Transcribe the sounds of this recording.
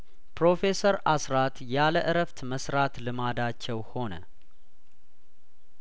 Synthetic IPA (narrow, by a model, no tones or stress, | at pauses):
pɾo̞fe̞səɾasɾat̪jaləʔɨɾəft̪məsɾat̪lɨmad̪at͡ʃːɛwho̞nə̰